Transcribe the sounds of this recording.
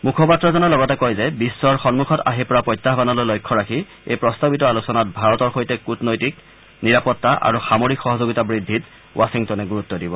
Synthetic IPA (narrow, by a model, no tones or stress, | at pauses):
mukʰɔpatɹɔzɔnɔlɔɡatɛkojzɛbisːɔɹxɔnmukʰɔta̰ɦiɹpɔɹapɔjtːaɦbanɔlojlojkʰːɔɹakʰi | ejpɹɔstabitɔalusɔnat̚bʱaɹɔtɔɹxojtɛkutnojtik̚ | niɹapɔtːaʔa̰ɹuxamoɹikxɔɦɔzoɡitabɹidʱːit | wʔasiŋtɔnɛɡuɹut̪ːɔdibɔ